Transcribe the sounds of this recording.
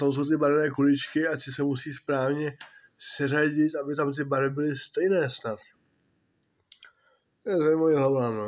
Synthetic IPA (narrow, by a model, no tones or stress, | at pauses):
sows̬owt̪ɪbaɾɛnɛːkulɪt͡ʃkɪat̪ɪsɛmusiːspɾaːvɲɛ | sɛraɟɪt̪abɪt̪amt̪̬ɪbaɾɪbɪlɪst̪ɛjnɛːsnat̪ | ɛzamaviɦlavam